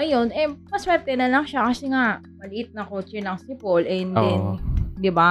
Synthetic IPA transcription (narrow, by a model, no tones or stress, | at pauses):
ɐjo̞nʔɛmɐswɛɾt̪ɛnɐlɐŋʃakɐsɛŋaʔ | mɐlɪʔɪt̪̚nɐkot͡ʃɛnɐŋsɪpolʔɛnd̪ɛnd̪ɪba